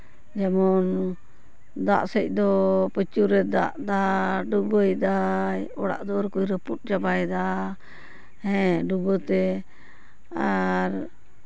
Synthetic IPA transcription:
d͡ʒɛmɔn | d̪a̰ʔsəc̚ˀd̪ɔpət͡ʃuɾɛd̪a̰ʔd̪aɖubəjd̪ajɔɽa̰ʔd̪ɔɾkujɾəput̚d͡ʒabajd̪a | hɛ̃ɖubət̪ɛ | aɾ

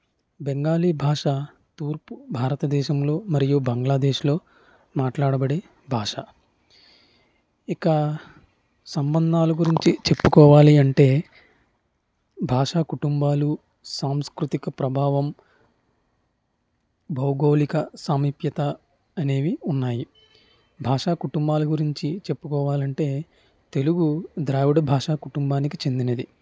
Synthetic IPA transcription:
beŋɡaːliːbʱaːʂa | t̪uːɾpubʱaːɾɐt̪ɐd̪ɛːʃɐmlo̞ːmɐɾijubɐŋɡlaːd̪ɛːʃlo̞ː | maːʈlaːɽɐbɐɽe | bʱaːʂa | ikɐ | sɐmbɐnd̪ʱaːluɡuɾiɲt͡ʃit͡ʃe̞pːukɔːʋaːliɐɳʈe̞ː | bʱaːʂaːkuʈumbaːlu | saːmskɾut̪ikɐpɾɐbʱaːʋɐm | bɐwɡo̞ːlikɐsaːmiːpjɐt̪ɐː | ne̞ːʋiunːaːji | bʱaːʂaːkuʈumbaːlɐɡuɾiɲt͡ʃit͡ʃe̞pːukɔːʋaːlɐɳʈe̞ː | t̪e̞luɡud̪ɾaːʋuɽɐbʱaːʂaːkuʈumbaːnikit͡ʃe̞nd̪inɐd̪i

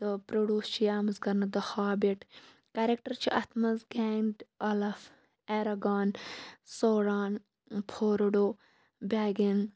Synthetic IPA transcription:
t̪ɨpɾoɽuːst͡ʃʰijaːmɐzɡɐɾnɐd̪ɐhaːbeʈ | kaɾek̚ʈɐɾt͡ʃʰiʔɐt̪ʰmɐzɡeːɳɖɐlɐf | eːɾɐɡaːnsoːɾaːn | pʰoːɾoɖoː | bʲaːɡin

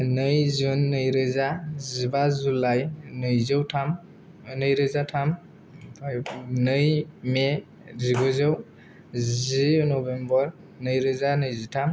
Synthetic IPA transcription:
nɯjzunːɯjɾɯzazibazulajnɯjzɯwtʰam | nɯjɾɯzatʰam | nɯjme | ziɡɔzɯw | zinɔbembɔɾ | nɯjɾɯzanɯjzitʰam

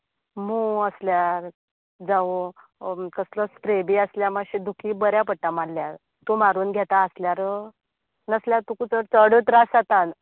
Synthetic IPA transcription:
m̤ũəsljaɾ | d͡zaʋo | kəslɔspɾebiəsljamaɕid̪ukʰiːbəɾjapəʈːamalljaɾ | t̪umaɾuːnɡʱjat̪aəsljaɾə | nəsljaɾt̪ukut͡səɾt͡səɽət̪ɾasat̪an

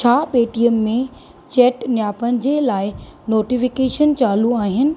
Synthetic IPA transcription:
t͡ɕʰaːɓeːʈijəːẽ | t͡ɕɛːʈnjaːpənɪ̆d͡ʑeːlaːɪnoːʈifɪkeːʃənt͡ɕaːluaːɦɪnɪ̆

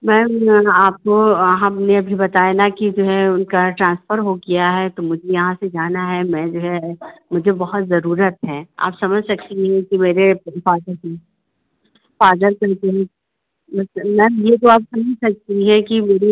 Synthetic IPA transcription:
mɛ̃ːaːp̚koɦãmneɐbʱibɐt̪aːjanakid͡ʒoːɦɛʊnkaʈɾãːnsfəɾɦoɡijaɦɛt̪omʊd͡ʒʱejɐɦãsed͡ʒaːnaɦɛmɛ̃ːd͡ʒoːɦɛmʊd͡ʒʱebɐɦɔt̪zɐɾuːɾət̪ɦɛ̃ːa̰ːpsɐməd͡ʒʱsɐk̚t̪iɦɛ̃kimeːɾefaːd̪əɾkɛ̃ | faːd̪əɾkɐɾt̪eɦɛ̃ | bɐsmɛ̃jet̪̬oaːpsɐməd͡ʒʱsɐk̚t̪iɦɛ̃kimeːɾi

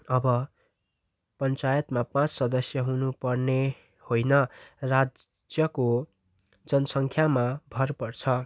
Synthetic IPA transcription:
ʌbʌ | pʌnt͡sajʌt̪mapãt͡ssʌd̪ʌsjʌɦunupʌrne | hojnʌrad͡z | d͡zjʌko | d͡zʌnʌsʌŋkʰjamabʱʌrpʌrt͡sʰʌ

